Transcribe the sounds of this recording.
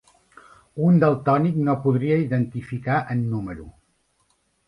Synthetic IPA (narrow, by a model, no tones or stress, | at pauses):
und̪əlˠt̪ɔniknopuðɾiəiðənt̪ifikaʔənːuməɾṵ